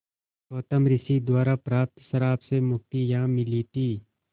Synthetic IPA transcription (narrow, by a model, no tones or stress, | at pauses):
oːt̪əmɾɪsid̪waːɾapɾaːp̚t̪səɾaːpsemʊk̚t̪ijãːmɪliːt̪iː